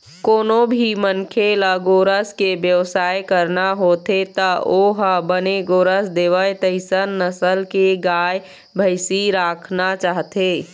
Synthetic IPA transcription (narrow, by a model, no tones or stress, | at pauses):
koːnobʱimənkʰeləɡoːɾəskebjəʋsaːjkəɾnaɦot̪et̪əoɦəbəneɡoːɾəsd̪eːʋəjt̪əɪsənːəsəlkeɡaːj | bʱəɪsiɾaːkʰnat͡ʃaːɦt̪e